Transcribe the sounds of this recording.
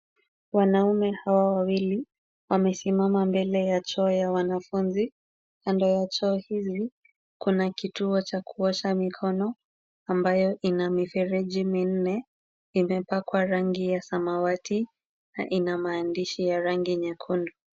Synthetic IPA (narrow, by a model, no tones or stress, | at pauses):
wanaumɛhawawawili | wamɛsimamambɛlɛjat͡ʃɔːjawanafunzi | kandɔjat͡ʃɔːhizi | kunakituɔt͡ʃakuɔʃamikʰɔnɔ | ambajɔʔinamifɛɾɛʄimin̩nɛ | imɛpakwaɾaŋɡijasamawatʰi | na̰ʔinamaːndiʃijaɾaŋɡiɲɛkʰundu